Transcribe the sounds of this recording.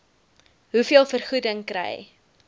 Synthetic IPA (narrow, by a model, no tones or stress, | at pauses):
ɦufiəlˠfərχudəŋkɾɛ̰j